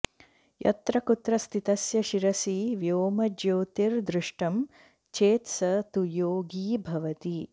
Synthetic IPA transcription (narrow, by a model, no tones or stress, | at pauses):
jɐ̰t̪ɾɐkut̪ɾɐst̪ʰit̪ɐsjɐʃiɾɐsiʋjoːmɐd͡ʒoːt̪iɾd̪ɾuʂʈɐm | t͡ʃeːt̪sɐt̪ujoːɡiːbʱɐʋɐt̪i